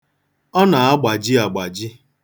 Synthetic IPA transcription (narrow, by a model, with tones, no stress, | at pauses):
ɔ˦na˨a˦ɡ͡ba˨d͡ʒɪ˦a˨ɡ͡ba˨d͡ʒɪ˦